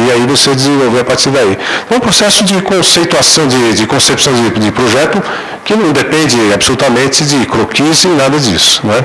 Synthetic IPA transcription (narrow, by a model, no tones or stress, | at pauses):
ɪaivosed͡ʒɪzẽvowveɾapaɾt͡ʃ̪iɾd̪aiɐ̃pɾosɛsʊd͡ʒɪkõsejt̪uasɐ̃w̃d͡ʒɪd͡ʒɪkõsepsɐ̃w̃d͡ʒɪd͡ʒɪpɾoʒɛt̪ʊ | kɪnɐ̃w̃d̪epẽnd͡ʒɪab̥solut̪ɐmẽnt̪ɪd͡ʒɪkɾokʰizẽnad̪ɐd͡ʒisʊ̥nɛ